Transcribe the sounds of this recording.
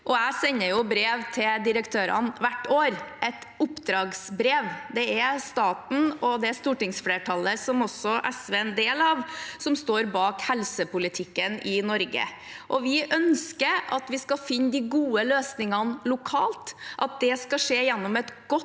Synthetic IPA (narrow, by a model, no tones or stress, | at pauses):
ʔɔæɪsɛɲːəjʊbɾeːʋt̪ʰɪld̪ɪɾəkt̪ʰøːɾɑ̰nʋæʈːoːɾʔɛt̪ʊpːd̪ɾɑːɡsbɾeːʋd̪ɛæst̪ɑːt̪n̩ɔd̪ɛæst̪uːʈɪŋsfleːʈʰɑləsɔmɔsːɔʔɛsʋeːnd̪eːlɑʋsɔmst̪oːɾbɑːkhɛlsəpʊlɪt̪ʰɪkːənɪnɔɾɡə̰ | ʔɔʋɪʔœnskəɾʔɑt̪ʋɪskɑfɪnːd̪ɪɡuːəløːsnɪŋɑnlʊkʰɑːlt̪ʔɑt̪̚d̪ɛskɑʂeːjɛnːɔmɛt̪ɡ̥ɔ